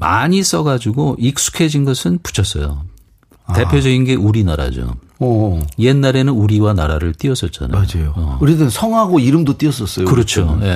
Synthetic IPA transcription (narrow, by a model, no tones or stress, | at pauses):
ma̰ɲis͈ʌɡad͡ʑuɡoʔik̚s͈u̥kʰe̞d͡ʑinɡʌsʰɯnpu̥t͡ɕʰʌs͈ʌ̰jo̰ | te̞pʰjod͡ʑʌɡinɡe̞ʔuɾinaɾa̰d͡ʑo̰ | je̞nːaɾe̞nɯnuɾiwana̰ɾaɾɯɭt͈iʌs͈ʌt̚t͡ɕ͈a̰na̰od͡ʑajoʌuɾidɯnsʰʌŋɦaɡoiɾɯmdot͈iʌs͈ʌs͈ʌjkɯɾʌt͡ɕʰoje̞